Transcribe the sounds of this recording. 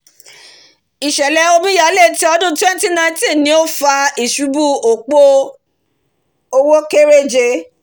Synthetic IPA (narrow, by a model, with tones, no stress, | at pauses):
i˨ʃɛ˨lɛ˨˧o˧mĩ˦ja˨˧˦le˦˨ti˦ɔ˧dũ˦twɛ̃˦n˦ti˦nã˧˦tĩ˦˨nĩ˧˦o˦fa˧i˨ʃu˨˦bu˦˨o˨k͡po˦ | o˧wo˦ke˦ɾe˦d͡ʒe˧